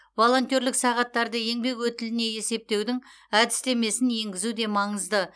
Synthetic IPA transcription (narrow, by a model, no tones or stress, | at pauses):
vo̞lˠo̞nt̪ʲjo̞ɾlɪksɑʁɑt̪ːɑɾd̪əje̞ŋbe̞kwɵt̪ɪlɪne̞je̞se̞p̚t̪e̞wd̪ɪŋ | æd̪ɪ̥st̪e̞me̞sɪnje̞ŋɡʲɪzud̪e̞mɑɴəzd̪ə